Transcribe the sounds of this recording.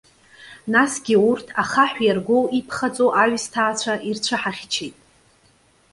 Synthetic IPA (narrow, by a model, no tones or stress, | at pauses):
nasɡʲiurtʰaχaħʷjarɡʷowʔipʰχat͡sʼoʔaɥstʰaːt͡ɕʷʰaʔirt͡ɕʷʰɨħaχʲt͡ʃʰejtʼ